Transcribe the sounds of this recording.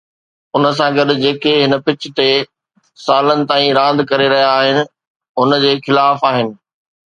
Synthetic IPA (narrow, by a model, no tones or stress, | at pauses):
ʊnəs̬ãɡɐɗʊ̆d͡ʑeːkeɦɪnə̆pɪt͡ɕɪ̆t̪e | saːlənɪ̆t̪aːĩɾãːn̆d̪ʱkɐɾeɾɐɦijaːɦɪnɪ̆ | ʊnəd͡ʑeːxɪlaːfaːɦɪnɪ̆